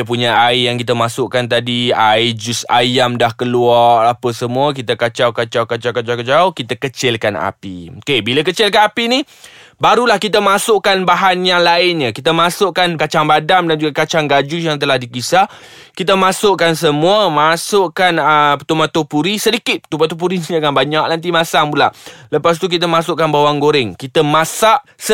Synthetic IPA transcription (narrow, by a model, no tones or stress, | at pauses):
əp̬uɲaaɪjaŋkit̪amasʊʔkant̪̬adiaɪd͡ʒʊsa̰jamdahkəluarapəsəmũək̬it̪akat͡ʃawkat͡ʃawkat͡ʃawkat͡ʃawkat͡ʃaʊkit̪akət͡ʃɪlkana̰pḭokebilakət͡ʃɪlkanapini | baɾulahkit̪amasʊʔkanbaɦanjaŋlaɪnɲəkit̪əmasʊʔkankat͡ʃaŋbadamdand͡ʒuɡakat͡ʃaŋɡad͡ʒujaŋt̪əlahdikisa | kit̪̬əmãsʊʔkans̬əmũəmasʊʔkanəpt̪umat̪opuɾisədikɪt̪̚t̪umat̪op̬uɾinid͡ʒaŋanbaɲaʔnant̪̬imasaŋbula̰ʔləpast̪uk̬it̪̬əmasʊʔkanbawaŋɡoɾɪŋkit̪əmasaʔs